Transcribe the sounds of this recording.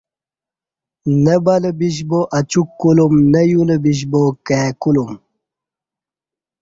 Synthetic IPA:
nebɐlebiɕ̬boʔɐt͡ɕukːulumnejulebiɕ̬bokekulum

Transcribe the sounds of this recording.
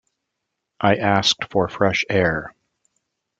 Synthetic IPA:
ʔaɪʔæsk̚tfə˞fɹɛʃɛɹ

